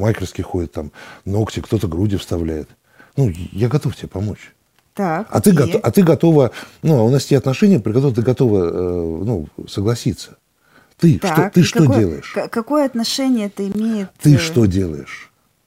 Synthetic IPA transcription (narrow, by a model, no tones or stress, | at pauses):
makʲɪrskʲɪjxo̞dʲɪt̪ːamno̞ktʲɪkt̪o̞t̪əɡɾudʲɪfst̪ɐvlʲæjɪt̪ | nujaɡɐt̪o̞ftʲɪbʲepɐmo̞t͡ɕ | t̪akɐ̰t̪ɨɡɐɐt̪ɨɡɐt̪o̞vənuɐʊnastʲeɐt̪nɐʂɛnʲɪjəpɾʲɪkɐt̪oɾət̪ɨɡɐt̪o̞vəənusəɡlˠɐsʲit̪sə̥ | t̪ɨt̪ʂot̪ɨʂt̪o̞ddʲe̞lˠə̰jɪʂkɐkojəɐt̪nɐʂɛnʲɪjət̪ɨɪmʲejɪt̪t̪ɨʂt̪o̞dʲe̞lˠə̰jɪʂ